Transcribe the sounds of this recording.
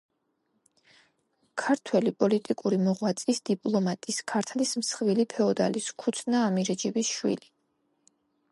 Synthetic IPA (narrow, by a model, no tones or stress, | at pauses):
kʰaɾt̪ʰwɛlipʼɔlit̪ʼikʼuɾimɔʁwat̪sʼisd̪̥ipʼlˠɔmat̪ʼiskʰaɾt̪ʰlismsχvilipʰɛɔd̪a̰liskʰut̪sʰnaːmiɾɛd͡ʒɛbisʃwḭli